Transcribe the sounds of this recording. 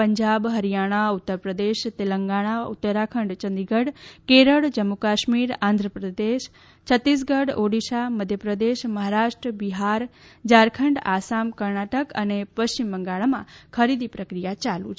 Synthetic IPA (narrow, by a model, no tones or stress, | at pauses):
əɲd͡ʒabɦəɾijaɽ̃aʊt̪ːəɾpɾəd̪eʃt̪eləŋɡaɽ̃aṵt̪ːəɾakʰəɳɖt͡ʃənd̪iɡəɽkeɾəɭd͡ʒəmːukaʃmiɾãnd̪ʱɾəpɾəd̪eʃ | t͡ʃʰət̪ːis̬ɡəɽoɽiʃaməd̪ʱjəpɾəd̪eʃməɦaɾaʃʈɾəbiɦaɾd͡ʒaɾkʰəɳɖasamkəɾɳaʈəkə̰nepəʃt͡ʃimbəŋɡaɭamã̰kʰəɾid̪ipɾəkɾijat͡ʃalṵt͡ʃʰ